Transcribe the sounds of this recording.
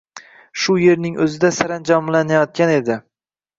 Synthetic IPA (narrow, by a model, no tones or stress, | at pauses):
ʃʊje̞ɾnɪŋʔɵzɪd̪asaɾand͡ʒɒmlanajɒt̪̚kʲane̞d̪ɪ